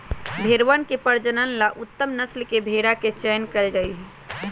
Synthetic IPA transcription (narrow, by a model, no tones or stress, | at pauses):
bʱeːɾʋənkepəɾd͡ʒənənlaʔʊt̪ːəmnəslkebʱeːɽaket͡ʃɛːnkəld͡ʒaiɦɛ